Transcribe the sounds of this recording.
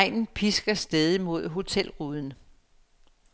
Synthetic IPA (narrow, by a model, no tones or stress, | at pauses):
ɪ̰nn̩pʰisɡ̥ɐsd̥eð̞ˠimo̝ð̞̰ˠɦo̝t͡sʰel̰ʁuðˠn̩